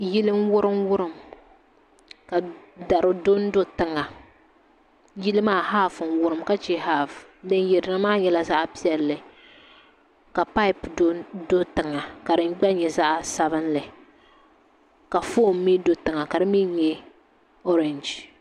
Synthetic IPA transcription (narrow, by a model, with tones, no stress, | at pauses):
ji˦lɨ˦nwʊ˦ɾɨ˦mwʊ˦ɾɨ˦˨m | ka˨da˨ɾʊ˨do˦n˦do˦tɨ˨ŋa˨ | ji˦lɨ˦maː˦ha˦˨fɨ˨nwʊ˦ɾɨ˨mka˦t͡ʃe˦ha˦fdɨ˦njɛ˨dɨ˨ɾɨ˦maː˦ɲɛ˦la˦za˦ʔpi˦ɛ˨lːɨ˨ | ka˨pa˦ɪ˨pdo˦do˦tɨ˨ŋa˨ka˨dɨ˦ŋ˦ɡ͡ba˦ɲɛ˨za˦ʔsa˦βɨ˦nlɨ˨ | ka˨foː˦˨mːi˦do˦tɨ˨ŋa˨ka˨dɨ˦mi˦ɲɛ˦ | ɔ˦ɾɛ˨nd͡ʒ